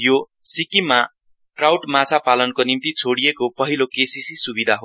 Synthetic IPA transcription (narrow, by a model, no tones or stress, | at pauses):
jo | sikima | ʈrawʈmat͡sʰapalʌnkonimt̪it͡sʰoɽijekopʌɦilokesisisubid̪ʱaɦo